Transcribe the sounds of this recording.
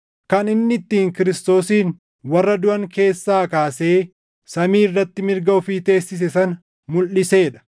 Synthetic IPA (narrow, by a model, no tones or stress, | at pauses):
kɐnɪnːɪt̪ːiːŋkɪɾɪst̪o̞ːsiːn | wɐrːɐd̪ʊʔɐŋke̞ːsːaːkaːse̞ː | sɐmiːɪrːɐt̪ːɪmɪɾɡɐʊfiːt̪e̞ːsːɪs̬ɛsɐn | mʊlːɪse̞ːᶑɐ̥